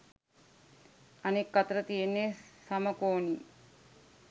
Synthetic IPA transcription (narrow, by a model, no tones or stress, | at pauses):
ɐnekːɐt̪ɾət̪ijenːesaməkoːni